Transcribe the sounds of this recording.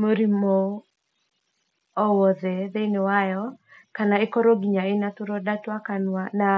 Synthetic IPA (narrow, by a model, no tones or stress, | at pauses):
moɾimɔ | ɔwɔðɛðeinewajɔkanaɪkɔɾoɡiɲaɪnat̪ʊɾɔdatwakanwana